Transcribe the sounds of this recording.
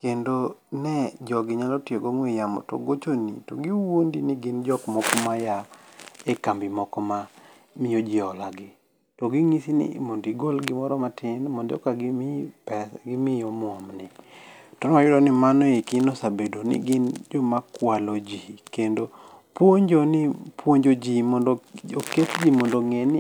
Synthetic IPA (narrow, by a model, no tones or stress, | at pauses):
kendonɛd͡ʒɔɡɪɲalɔtɪoɡoŋwejamɔ̰to̰ɡot͡ʃonḭtoɡiwondinɪɡɪnd͡ʒɔkmɔkɔmajaekambɪmɔkɔma | mijod͡ʒɪɔlaɡɪ | toɡiŋisinɪ̰mondiɡolɡɪmɔɾɔmatʰɪnmondɪɔ̰kaɡɪmɪpɛsɡɪmɪjɔmɔmnɪtɔnajʊdɔnɪmanɔikɪnosabedonɪ̰ɡɪnd͡ʒɔmakwalod͡ʒikendo | pwoɲd͡ʒonɪpwoɲd͡ʒod͡ʒimɔndooketd͡ʒimondoŋenɪ